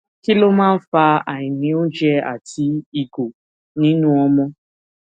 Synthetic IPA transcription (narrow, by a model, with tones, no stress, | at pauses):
ki˦lo˦mãː˦fa˧a˨ĩ˨nĩ˨˦o˦d͡ʒɛ˦a̰˨ti˨i˨ɡo˨ | nĩ˦nũ˦ɔ˦mɔ̃˦